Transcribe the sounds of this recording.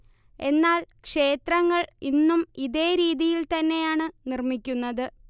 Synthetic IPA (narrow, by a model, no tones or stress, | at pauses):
e̞nːaːlkʂe̞ːt̪rɐŋːɐɭinːumiðe̞ːɾiːðijilt̪ɐnːe̞jaːɳɨnirmikʲːunːɐðɨ